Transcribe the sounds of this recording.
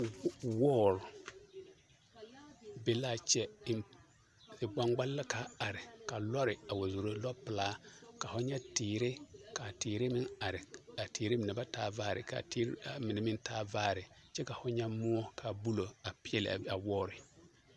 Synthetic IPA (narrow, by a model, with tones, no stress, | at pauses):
wɔː˦˨ɾʊ˨ | be˨la˦˨t͡ʃɛ˦˨ | ɪ˨ɡ͡ba˦ŋɡ͡ba˦lːa˦ka˨˦a˨ɾɪ˨ka˨lɔ˦ɾɪ˨a˨wo˨zo˨ɾo˦lɔ˦pɪ˨laː˦ka˨fʊ˦ɲɛ˦tiː˨ɾɪ˦ka˨tiː˨ɾe˦mɪ˦na˨ɾɪ˨a˨tiː˨ɾe˦mɪ˨nɛ˨ba˦taː˦vaː˦˨ɾɪ̰˨ka̰˨ti˦ɾa˨mɪ˨nɛ˨˦mɪ˦ntaː˦vaː˦˨ɾɪ˨ | t͡ʃɛ˦ka˨fʊ˦ɲɛ˦mʊ˦ɔ˦kʰa˨bu˦lo˨a˨pɪ˦ɛ˦lɪ̰˨a˨wɔː˦˨ɾɪ˨